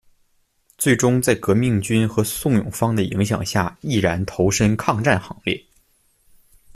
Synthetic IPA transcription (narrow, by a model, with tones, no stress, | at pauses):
t͡swe˥˩ɪʈ͡ʂʊ˥ŋt͡sa˥˩ɪkɤ˧˥mi˥˩ŋt͡ɕy˥nxɤ˧˥sʊ˥˩ŋjʊ̰˨˩ŋfɑ˥ŋd̪ə˨ḭ˧˥ŋɕ̬jɑ̰˨˩ŋɕja˥˩i˥˩ɻa˧˥nt̪ʰo˧˥ʊʂə˥ŋkʰɑ˥˧ŋʈ͡ʂa˥˩nxɑ˧˥ŋljɛ̰˥˩